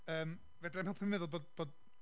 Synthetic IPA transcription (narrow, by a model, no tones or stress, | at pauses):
əːm | vɛdɛmɛlˠpʰəmɛðʊlˠboːdb̥oːd